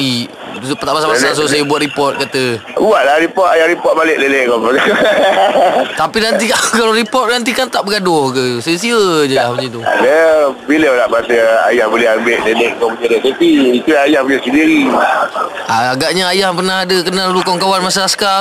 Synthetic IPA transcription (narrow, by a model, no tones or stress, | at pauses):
i | pt̪aʔbasabasas̬os̬ajəbuat̪̚ɾipɔt̪̚kat̪əuaʔlahɾipɔt̪̚ajahɾipɔt̪̚balɪʔleleʔkɔa | t̪apinant̪̬ikakalaɾipɔt̪̚nant̪̬ikant̪aʔbəɡadʊhkəsəs̬iəd͡ʒəlahbad͡ʒit̪ua̰nəbiləlaʔmasəa̰jahbolɛɦambeʔlelɛʔkɔmpəɲadəsetiikulaajahpəɲasəndiɾi | aaɡaʔɲaajahpərnahadəkənallukɔŋkawanmasaaska